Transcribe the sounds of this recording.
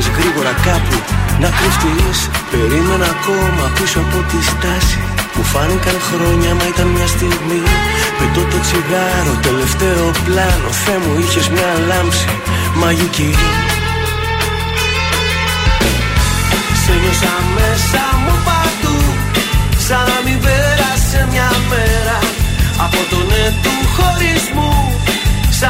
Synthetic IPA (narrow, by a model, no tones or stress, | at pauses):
zɣɾiɣo̞ɾɐkɐpunɐkɾist̪ilispe̞ɾime̞nːko̞mɐpisoɐpo̞t̪ist̪ɐsi̥ | pufɐnikɐŋxɾo̞ɲɐmɐit̪ɐnmɲɐst̪iɣmi | pit̪ot̪o̞t͡siɣɐɾot̪e̞le̞ft̪e̞o̞plɐno̞̰fe̞muiçe̞zmɲɐlɐmpsi | mɐʝici | seʝosɐme̞sɐmupɐt̪u | sɐnɐmiveɾɐsemɲɐmeɾɐɐpo̞t̪o̞net̪uxo̞ɾizmu | s